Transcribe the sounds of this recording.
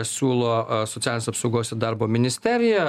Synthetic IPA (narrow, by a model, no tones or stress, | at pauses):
sʲuːlˠoːsɔt̪t͡s̪ʲæːlʲnʲesɐpsɔʊɡoːsʲɪd̪ɐɾboːmʲɪnʲɪsʲt̪ʲɛɾʲɪjɛ